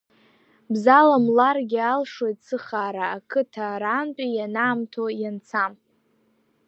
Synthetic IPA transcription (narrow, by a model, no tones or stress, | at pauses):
bzalamlarɡʲɪalʂwojtsʰɨχaːɾaːkʰɨtʰaɾaːnt͡pʷʼijanaːmtʰojant͡sʰam